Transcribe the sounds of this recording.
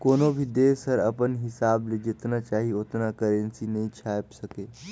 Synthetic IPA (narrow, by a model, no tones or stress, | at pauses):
koːnobʱid̪eːsəɾɐ̰pənɦɪsaːbled͡ʒɪt̪nat͡ʃaːɦiot̪nakəɾə̃nsinɐɦĩt͡ʃʰaːjpsəkeː